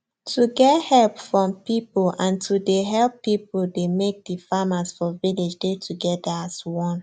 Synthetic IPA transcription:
tʰuɡɛthɛlpfɹɔ̃mpipulãntʰudeɦɛlˠpːipudemek̚difamasfɔvilid͡ʒdetʰuɡɛdaaswɔ̃n

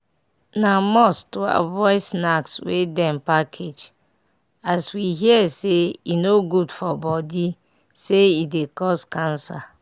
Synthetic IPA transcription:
namɔstoa̰vɔɪsnakswḛdɛ̃npakʰed͡ʒ | aswiɦiɛseinoɡudfɔbɔdi | seidekɔskãnsa

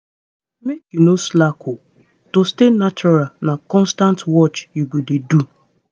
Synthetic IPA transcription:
mekjunoslakʰo | tostenat͡ʃɔɾalnakɔ̃nstãntwɔt͡ʃjuɡʷededu

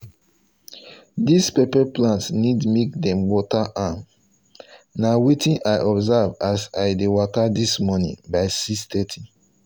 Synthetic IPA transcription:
dispepɛplãntsnidmek̚dɛ̃mwɔtaʔam | nawitĩnʔaɪʔɔbzavasaɪdewakadismɔnḭ̃baɪsistɛtʰĩ

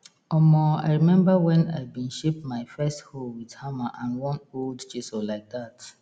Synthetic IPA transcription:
ɔmɔa̰ɪɹimɛ̃mbawɛ̃naɪbĩnʃepmaɪfɛstholwið̥hamaʔãnwɔ̃noldt͡ʃisolaɪk̚dat

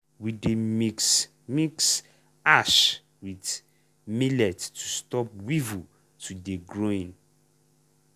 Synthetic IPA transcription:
wides | miks | aʃ | wid | milɛttustɔp̚wivu | tudeɡɹoĩn

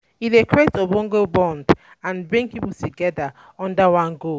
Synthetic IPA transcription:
ilekʰɹɛtobɔ̃ŋɡobɔ̃nd | ãnbɹĩŋpipultʰuɡɛda | ɔ̃ndəwãnɡo

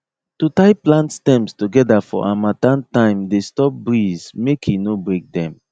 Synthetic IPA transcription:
tutaɪplãntstɛ̃mstuɡɛdafɔ̰ʔamatãntãɪ̃mdestɔp̚bɹizmekʰinobɹek̚dɛ̃m

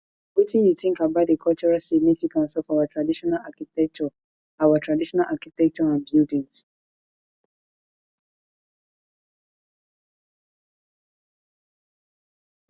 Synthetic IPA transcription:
bitĩjutĩŋ̩kabadikʰɔlt͡ʃuɹasiɡnifikãntsɔfawatʰɹadiʃɔnalakitɛk̚t͡ʃɔ | awatʰɹadiʃɔnalʔakitɛk̚t͡ʃɔãnbjudĩns

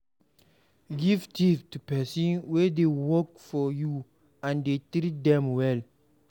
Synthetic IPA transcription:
ɡivtiftupɛsɔ̃nwɛdewɔkfɔju | ãndetɾit̚dɛ̃mwɛl

